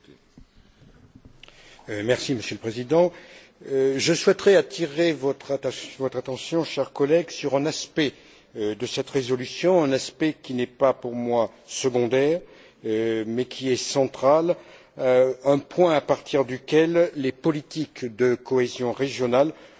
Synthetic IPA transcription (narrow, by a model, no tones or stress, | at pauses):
mɛʁsiməsjøləpχezid̪ɑ̃ | ʒəswɛt̪χɛat̪ʰiʁevɔt̪χavɔt̪χat̪ɑ̃sjɔ̃ʃɛʁkɔlɛɡsyʁɛ̃naspɛ | d̪əsɛt̪ʁezɔlysjɔ̃ɛ̃naspɛkʲinɛpapuʁmwa | səɡɔ̃d̪ɛːʁ | mɛkʲʰiɛsɑ̃t̪χal | ɛ̃pwɛ̃apaʁt̪ʰiʁd̪ykʲɛlːepɔlit̪ikd̪əkɔezjɔ̃ʁeʒjɔnal